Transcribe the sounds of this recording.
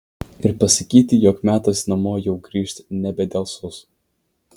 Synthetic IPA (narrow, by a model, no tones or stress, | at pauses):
ɪɾpɐsɐkʲiːt̪ʲɪjoːkmʲæːt̪ɐsnɐmoːjɛʊɡɾʲiːʃʲt̪ʲnʲɛbʲɛd̪ʲɛlˠsʊs